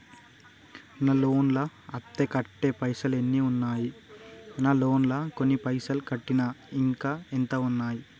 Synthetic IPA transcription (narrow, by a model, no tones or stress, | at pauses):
nɐlo̞ːnlɐːt̪ːekɐʈːeːpɐjsɐlenːiunːaːji | nɐlo̞ːnlɐko̞nːipɐjsɐlkɐʈːinɐiŋkaːint̪ɐunːaːji